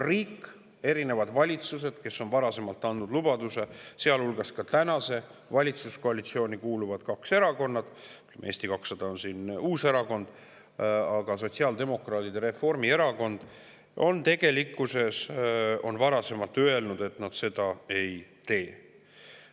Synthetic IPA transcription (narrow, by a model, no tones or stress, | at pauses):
riːkː | e̞ɾine̞vɑd̪vɑlʲit̪sus̬e̞d̪̥ke̞sːo̞nvɑɾɑse̞mɑlt̪ːˑɑnd̪ud̪̥lubɑd̪use̞se̞ɑlulɡ̥ɑskɑt̪ænɑse̞vɑlʲit̪susko̞ɑlit̪sio̞ːnʲikuːluvɑd̪̥kɑkse̞ɾɑko̞nːɑd̪̥yt̪ːlḛmee̞ːst̪ikɑksːɑd̪̥ɑo̞nsinuːse̞ɾɑko̞nd̪̥ | ɑɡ̥ɑs̬o̞t̪siɑːld̪e̞mo̞krɑːt̪id̪eɾe̞fo̞rmie̞ɾɑko̞nd̪̥ | o̞̰nt̪e̞ɡ̥e̞likːˑuse̞so̞nvɑɾɑse̞mɑlt̪ːˑøe̞lnud̪e̞t̪nɑd̪̥se̞d̪̥ɑe̞jt̪e̞ː